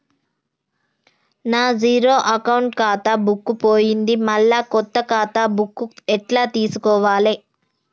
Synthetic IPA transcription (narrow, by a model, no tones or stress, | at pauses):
naːd͡ʒiːɾoːʔɐkɐwuɳʈkaːt̪ɐbukːupoːjind̪imɐɭːaːkɔt̪ːɐkaːt̪abukːuɛʈlaːt̪iːsukɔːʋaːle